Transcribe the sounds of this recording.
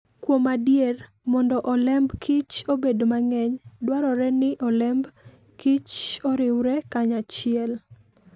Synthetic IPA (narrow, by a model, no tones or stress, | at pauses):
kwomadjer | mɔndɔʔɔlɛmbkʰit͡ʃobedomaŋɛɲdwaɾɔɾɛnɪʔɔlɛmb | kit͡ʃɔɾɪwɾɛkaɲat͡ʃɪɛl